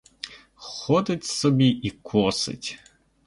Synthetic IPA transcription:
xɔd̪ɪtʲsɔbʲiʔikʰɔsɪ̰tʲ

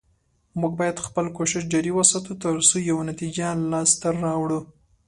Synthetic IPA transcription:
muɡ̚bɑjad̪xpəlkoʃɪʃ̬d͡ʒɑɾiwasɑt̪ut̪əɾsujawanat̪id͡ʒalɑst̪aɑwɽu

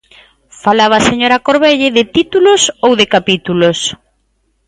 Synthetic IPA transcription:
falaβ̞ɐseɲoɾakoɾβeʎɪðɪt̪it̪ulʊsowðɪkapit̪ulos

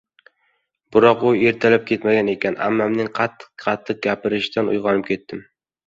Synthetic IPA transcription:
bʊɾɒqʊeɾt̪ʰalɪp̚kʲʰe̞t̪maɡʲane̞kʲʰana̰mːɒmnɪŋqʰɑt̪ʰːɨ̥qqʰɑt̪ʰːɨq̚ɡʲapɪɾɪʃt̪anʊ̰jʁɒnɪp̚kʲʰe̞t̪ːɪm

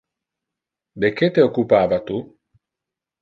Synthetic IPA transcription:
d̪ek̟ːet̪eokːupaːvat̪u

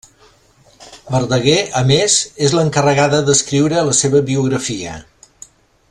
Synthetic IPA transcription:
bəɾðəɣeəmezezləŋkərəɣaðəðəskɾiwɾəːləseβəβiuɣ̞ɾəfiə̰

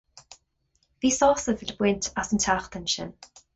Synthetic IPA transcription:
viːsɔsəvədəb̥wɪntʰasəntʰaχtʰɛnʃə̰n

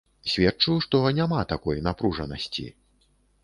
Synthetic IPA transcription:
sʲvʲɛt͡ʂujuʂt̪ɔnʲamat̪akɔjnapɾuʐɐnɐ̰sʲt͡sʲḭ

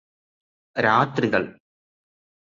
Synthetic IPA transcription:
ɾaːt̪ɾɯɣɐɭ

